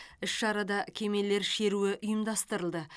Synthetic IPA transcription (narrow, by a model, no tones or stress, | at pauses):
ɪʃʃɑɾɑd̪ɑkʲʰe̞me̞lːe̞ɾʃe̞ɾuɪʔʊjəmd̪ɑst̪əɾəlˠd̪ə